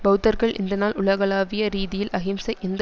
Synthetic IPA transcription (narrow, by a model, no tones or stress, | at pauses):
bɐɯt̪ːɐɾɣɐɭɪ̰nd̪ɐnaːlʊɭɐɣɐɭaːʋɪjɐɾiːðɪjɪlʔɐɣɪmsɐɪʔɛnd̪ɐ